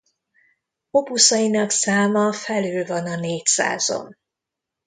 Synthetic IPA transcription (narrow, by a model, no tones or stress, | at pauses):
opusɒjinɒksaːmɒfɛlyːlvɒnɒneːcsa̰ːz̥o̰m